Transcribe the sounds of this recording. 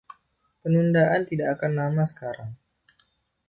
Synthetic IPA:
pənundaʔant̪idaʔakanːamasə̥kaɾaŋ

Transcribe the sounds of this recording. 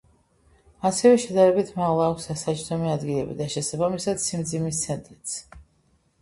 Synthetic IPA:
asɛvɛʃɛd̪aɾɛbit̪ʰmaʁlˠaːkʷʰsasat͡ʃʰt̪ʰɔmiad̪ɡilɛbḭd̪aʃɛsabamisad̪̥simd̪zimist̪sʰɛnt̪ʼɾit̪sʰ

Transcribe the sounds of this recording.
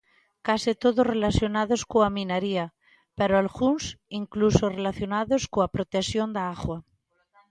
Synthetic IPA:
kasit̪oðorelaθjonaðoskoamĩnaɾia | peɾoalɣunsiŋklusorelaθjonaðoskoapɾot̪esjond̪aaɣwa

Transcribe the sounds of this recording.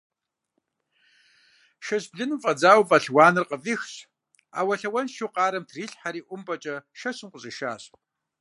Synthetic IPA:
ʃɐɕbɮɨnɨmfʼɐd͡zaːwfʼɐɬwɑːnɨrqəviːxɕ | a̰ːwɐɬɐwɐnʃuqɑːɾɐmtʰriːɬħaɾiːʔʷʊmpʼɐt͡ʃʼɐʃɐɕɨmqʷʊɕʼɪʃaːɕ

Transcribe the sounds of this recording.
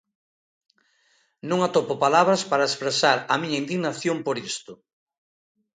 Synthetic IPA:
nũŋat̪opopalaβɾɐspaɾɐespɾesaɾɐmĩɲɐind̪iɣnaθjompoɾist̪ʊ

